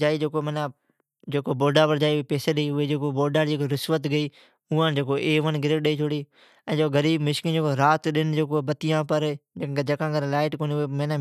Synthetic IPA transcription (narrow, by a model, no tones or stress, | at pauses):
d͡ʒaːiːd͡ʒeːkomːnãː | d͡ʒeːkoboːɖaːpəɾd͡ʒaːiʊepeːseɗəiːʊɦed͡ʒeːkoboːɖaːɽd͡ʒeːkoɾɪsʋət̪ɡəiː | ʊːãːnd͡ʒeːk̬oʔeːʋənɡɪɾeːɗəiːt͡ʃʰoːɽiː | ɛ̃ːd͡ʒeːkoɡəɾiːbmɪʃkĩːd͡ʒeːkoɾaːt̪ɗɪnɪd͡ʒeːkobət̪ijãːpəɾd͡ʒẽed͡ʒɐkãːɡəɾlaːɪʈkoːniʊɦemẽːnaː